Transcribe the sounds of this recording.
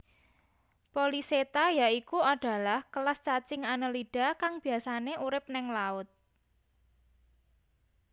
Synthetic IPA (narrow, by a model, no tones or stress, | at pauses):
poliset̪ajaʔikuaɖ̥a̤lahkəlast͡ʃat͡ʃɪŋanəlid̥a̤kaŋb̥i̤asaneʔuɾɪp̚nɪŋlaʊt̪̚